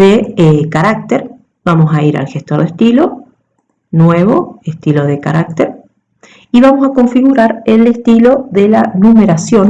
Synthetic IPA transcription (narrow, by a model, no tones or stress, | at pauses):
deekaɾak̚t̪eɾ | b̥amo̞saiɾa̰lxest̪oɾðest̪ilo | nweβo̞est̪ilo̞ðe̞ka̰ɾak̚t̪eɾ | iβamo̞sako̞ɱfiɣuɾaɾelest̪ilo̞ðelanumeɾasjo̞n